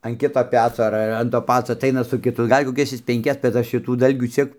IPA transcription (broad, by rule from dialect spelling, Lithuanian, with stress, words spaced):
ɐn ˈkʲɪtoː ˈpʲæːt͡soː ɐr ˈɐr ɐn toː ˈpɑːt͡soː ɐˈtɐɪnɐ sʊ kʲɪˈtʊ ˈɡɐlʲ koːˈkʲɛs ˈjɪs pʲɛŋʲˈkʲɛs bʲɛt ˈɐʃ ʃʲɪˈtuː ˈdɐlʲɡʲuː ˈt͡sʲiɛk